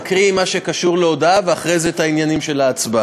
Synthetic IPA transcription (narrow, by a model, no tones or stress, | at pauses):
kʁiimaʃe̞kaʃuʁleo̞d̪aveaχʁejzet̪ainjanimʃe̞laːt͡sba